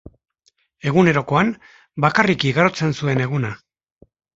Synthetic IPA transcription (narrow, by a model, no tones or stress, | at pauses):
e̞ɣune̞ɾo̞ko̞am | bakarikiɣaɾo̞t͡se̞nsue̞ne̞ɣuna